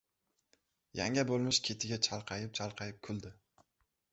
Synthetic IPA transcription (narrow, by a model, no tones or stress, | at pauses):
ja̰ŋʲabolˠmɪʃkʲʰe̞t̪ʰɪɡʲat͡ʃʰalˠqʰɑjɪp̚t͡ʃʰalˠqʰɑjɪp̚kʰʊlˠd̪ɪ